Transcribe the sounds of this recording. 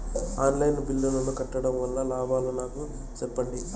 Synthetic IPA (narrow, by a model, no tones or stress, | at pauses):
aːnlɐjnʋilːulɐnukɐʈːɐɽɐmʋɐlːɐlaːbaːlunaːku | t͡ʃɛpːɐɳɖi